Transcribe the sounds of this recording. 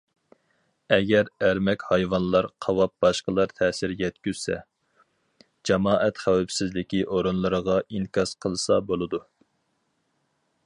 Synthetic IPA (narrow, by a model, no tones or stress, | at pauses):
ɛɡʲɛɾæɾmɛkʲhɑjwɑnlˠɑɾqʰɑwɑp̚bɑʃqəlˠɑɾt̪ʰɛːsɪɾjɛt̪kʲyz̥sɛ̰ | d͡ʒɑmɑːʔɛt̪χæwɛpsɪzlɪkʲiʔoɾonlˠɨɾəʁɑʔinkʲʰɑsqʰəlˠɨsɑbolˠɨd̪u